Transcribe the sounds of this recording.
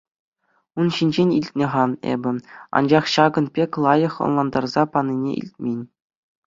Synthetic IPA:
unɕinʲd͡ʑenʲilʲtʲnʲɘ̆ʁɑnḛbʲɘ̆ɑ̰nd͡ʑɑχɕɑɡɤ̆npʲekʲlˠɑjɤ̆χɤ̰̆nlˠɑnd̪ɑrzɑpɑnʲːinʲḛʔḭlʲt̚ʲmʲenʲ

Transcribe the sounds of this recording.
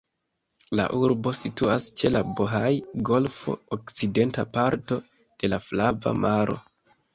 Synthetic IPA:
la̰ʔuɾbo̞situast͡ʃe̞laboɦajɡo̞lfo̞̰okt͡side̞ntapaɾto̞ | d̥e̞laflava̰maɾʔo̞̰

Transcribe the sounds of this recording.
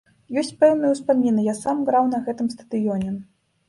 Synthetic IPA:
jɔsʲt͡sʲpɛwnɨjuspamʲinɨjasamɡɾawnɐɣɛt̪ɨmst̪ɐd̪ɨjɔnʲɛ

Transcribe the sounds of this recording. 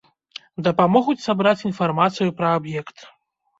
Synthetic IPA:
d̪ɐpamɔɣut͡sʲsabɾat͡sʲinfarmat̪sɨjupɾɐabjɛkt̪

